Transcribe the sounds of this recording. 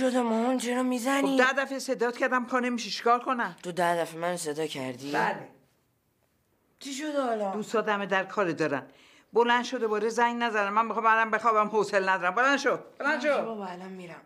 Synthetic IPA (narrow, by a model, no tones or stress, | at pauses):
ʃod̪emɔhunt͡ʃʰeɾɔmizænoid̪æd̪æfesed̪ɒːt̪cʰæɾd̪æmkʰɒnemiʃiʃi̥kʰɒːlkʰonæmt̪ʰod̪æd̪æfemænsed̪ɒːcʰæɾd̪ibæle | t͡ʃʰiʃod̪ɒlɔd̪uːsɒːd̪æmed̪æɾkʰɒːɾed̪ɒːɾæn | bolænd̪ʃod̪obɒːɾezæŋɡnæzæd̪ænmænmixɒːmælambe̞xɒːbæmhoselnæd̪ɒːɾæmbolænd̪ʃob̥olænd̪ʃobɒbalɒnmiɾæm